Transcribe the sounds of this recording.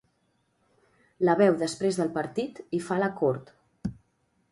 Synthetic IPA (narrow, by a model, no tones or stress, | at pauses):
ləβɛwðəspɾezðəlˠpəɾt̪it̪ifaləkɔɾt̪